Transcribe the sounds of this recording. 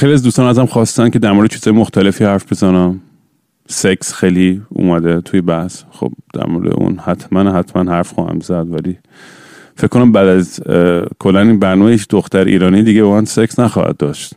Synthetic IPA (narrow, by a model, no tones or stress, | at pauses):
xeliæzd̪ust̪ɒːnæzæmxɒːst̪æn̚cʰe̞d̪æɾmoɾed̪et͡ʃiz̥ɒːjemoxt̪ʰæle̞fiːhæɾfbezɒnæm | seksxejliṵːmæd̪et̪ʰujebæhsxo̰b̥d̪̥æ̰ɾmoɾḛd̪ḛʔṵnhæt̪ʰmænhæt̪ʰmænhæɾfxɔ̰ːhæ̰mzæd̪væli | feckʰːonæmbæːd̪æzkʰolːæninbæɾnɒːmejit͡ʃʰd̪oxt̪æɾḭːɾɒːnid̪iɟebɒmænseksnæxɒ̰ːhæ̰d̪̚ːɒ̰ːʃt̪